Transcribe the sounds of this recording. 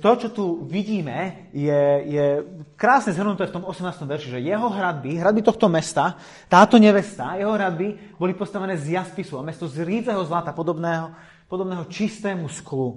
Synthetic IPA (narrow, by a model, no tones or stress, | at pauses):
t̪ɔt͡ʃɔt̪uʋiɟiːmɛ | jɛjɛkɾaːsɲɛzɦr̩nut̪ɛːft̪ɔmɔsɛmnaːst̪ɔ̃mʋɛɾʃɛʒɛjɛɦɔɦɾad̪̚biɦɾad̪bit̪ɔxt̪ɔmɛst̪a | t̪aːt̪ɔɲɛʋɛst̪ajɛɦɔɦɾad̪̚bi | bɔlipɔst̪aʋɛnɛːzjaspisuamɛst̪ɔzɾiːd͡zɛɦɔzlat̪apɔd̪ɔbnɛːɦɔ | pɔd̪ɔbnɛːɦɔt͡ʃist̪ɛːmusklu